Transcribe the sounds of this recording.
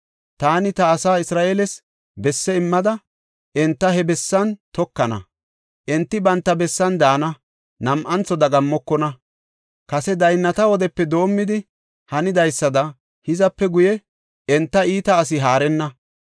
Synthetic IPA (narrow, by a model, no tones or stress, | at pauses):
t̪aːnɪt̪ɐːsaːɪsɾaːʔeːlɛs | bɛsːɛɪmːɐd̪ɐ | ʔɛnt̪ːɐhɛbɛsːɐnt̪ɔkːɐnɐ̰ | ʔɛnt̪ːɪbɐnt̪ːɐbɛsːɐnd̪aːnɐ | nɐmʔɐnt͡sɔd̪ɐɡɐmːɔkːɔnɐ | kɐsɛd̪ɐjnːɐt̪ɐwɔd̪ɛpːɛd̪o̞ːmːɪd̪ɪ | hɐnɪd̪ɐjsːɐd̪ɐ | hɪzɐpːɛɡʊjɛ | ɛnt̪ːɐiːt̪ɐːs̬ɪɦaːɾɛnːɐ